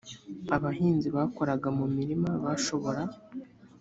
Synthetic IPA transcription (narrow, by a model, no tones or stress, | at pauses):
aβaɦiːnziβaːko̞ɾaɡamumiɾimaβaʃo̞βo̞ɾa